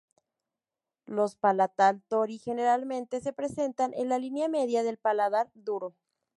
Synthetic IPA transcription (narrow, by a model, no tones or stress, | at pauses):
lo̞spalat̪alt̪oɾixe̞ne̞ɾalmẽ̞nt̪e̞se̞pɾe̞se̞nt̪anʔe̞̰nlalinjame̞ðjaðe̞lpalaðaɾd̪uɾo̞